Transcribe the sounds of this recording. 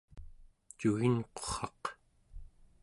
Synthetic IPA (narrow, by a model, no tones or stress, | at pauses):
t͡ʃuɣinqoχɑq